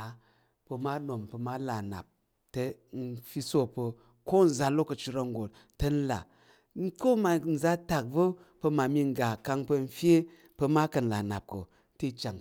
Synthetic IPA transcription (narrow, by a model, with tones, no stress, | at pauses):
pə˧ma˦ɗo˨mpə˧ma˦la˨na̰˨p̚ | te˦ | n̩˦fi˦so˦pə˧ | ko˦n̩˨za˧lo˦kə˨t͡ʃi˧ɾa˧ŋ˦ɡo˨t̚ | tə˦n̩˦la̰˨ | n̩˦ko˦ma˨n̩˨za˦ta˨k̚və˦ | pə˧ma˨mi˧ŋ˨ɡa˨ka˧ŋpə˧n̩˦fje˦ | pə˧ma˦kə˨n̩˨la˨na̰˨p̚ko˨ | ti˦t͡ʃa˨ŋ